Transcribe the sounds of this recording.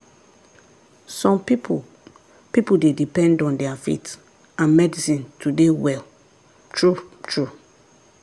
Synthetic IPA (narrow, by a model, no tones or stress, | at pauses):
sɔ̃mpip | pipudedipɛ̃ndɔ̃ndɛafḭt | ãnmɛdisĩntʰudewɛl | tʰɹutʰɹu